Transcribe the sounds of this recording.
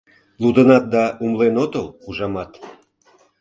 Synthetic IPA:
lud̪ənɑt̪̚d̪ɑumlenot̪əluʒɑmɑt̪

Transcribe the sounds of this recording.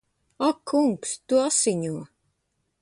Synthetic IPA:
akʰːuŋkst̪uasiɲʲuə

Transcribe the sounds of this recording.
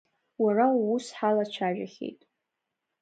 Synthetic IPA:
warausħalat͡ʃʷʰaʒᶣaχʲḛjtʼ

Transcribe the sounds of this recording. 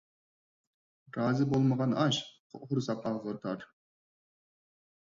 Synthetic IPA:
ɾɑːzɨbolˠmɑʁɑnɑʃ | χuɾsɑpɑʁɤɾt̪ɑɾ

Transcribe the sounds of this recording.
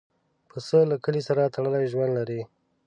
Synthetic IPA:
pəsəlakəlisaɾat̪ʰaɽəlajʒwand̪laɾi

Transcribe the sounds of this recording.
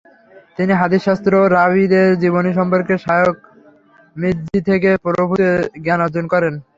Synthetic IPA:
t̪iniɦad̪iʃast̪ɾoɾabid̪eɾd͡ʑiβoniʃ̬ɔmpoɾkeʃajok | mid̪d͡ʑit̪ʰek̬epɔɾobʱut̪eɡanad͡ʑonkɔɾen

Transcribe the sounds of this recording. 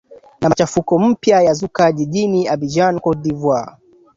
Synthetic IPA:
namat͡ʃafukɔm̩pjajazukaʄiʄiniabid͡ʒankɔdivwa

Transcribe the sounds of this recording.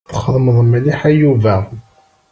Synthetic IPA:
θə̥χːəðˤməðˤmæliħæjuvæ

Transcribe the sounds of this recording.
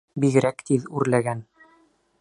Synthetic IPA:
biɣɘ̆ɾækt̪iðʉɾlæɡæn

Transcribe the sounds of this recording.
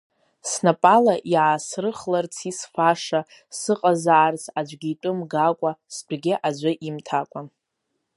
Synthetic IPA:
snapʼalaʔjaasrɨχlart͡sʰisfaʂa | sɨqʼazaʕːrt͡sʰad͡ʒʷɡʲitʷʼɨmɡakʷʼasbʷɡʲɪʔad͡ʒʷɨʔimtʰakʷʼa

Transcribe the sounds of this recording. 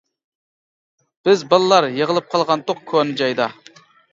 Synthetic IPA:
b̥ɪzbɑlˠɨlˠɑɾjəʁəlˠɨp̚qʰɑlˠʁɑnd̪ʊq̚kʲʰonɨd͡ʒɑjd̪ɑ

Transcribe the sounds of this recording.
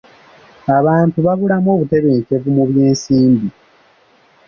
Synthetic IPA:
aβaːntuβaβulamo̞ːβute̞βe̞ːɲce̞vumuβje̞ːnsiːmbi

